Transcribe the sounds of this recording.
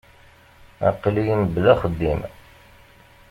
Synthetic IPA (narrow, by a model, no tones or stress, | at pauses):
æ̰qːlijiməblæχəd̪ːim